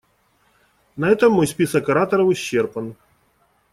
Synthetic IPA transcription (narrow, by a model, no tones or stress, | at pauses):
nɐɛt̪əmːojspʲisəkɐɾat̪əɾəvɨɕːerpən